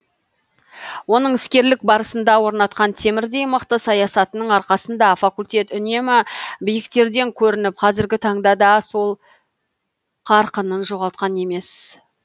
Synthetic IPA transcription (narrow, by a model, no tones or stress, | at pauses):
wo̞nəɴɪskʲe̞ɾlɪk̚bɑɾəsənd̪ɑwo̞ɾnɑt̪̚qɑnt̪ʰe̞mɪɾd̪e̞jməqt̪əsɑjɑsɑt̪ənəɴɑɾqɑsənd̪ɑfakulʲt̪ʲe̞t̪ʏne̞mɪbɪjɪkt̪e̞ɾd̪e̞ŋkʲʰɵɾɪnɪpqʰɑzɪɾɡʲɪt̪ʰɑɴd̪ɑd̪ɑso̞lˠ | qʰɑɾqənənʒo̞ʁɑlˠt̪̚qɑne̞me̞s